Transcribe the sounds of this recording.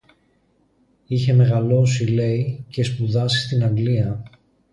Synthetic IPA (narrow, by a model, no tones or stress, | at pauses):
içe̞me̞ɣɐlo̞sile̞ice̞spuðɐsi̥st̪inɐŋɡliɐ